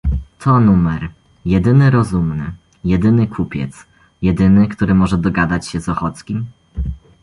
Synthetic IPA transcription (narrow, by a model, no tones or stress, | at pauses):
t̪ʰɔnumɛɾ | jɛd̪ɘnɘɾɔzumnɘ | jɛd̪ɘnɘkʰupʲjɛ̰t̪s | jɛd̪ɘnɘkt̪uɾɘmɔʐɛd̪ɔɡad̪at͡ɕɕɛzɔxɔt̪skʲim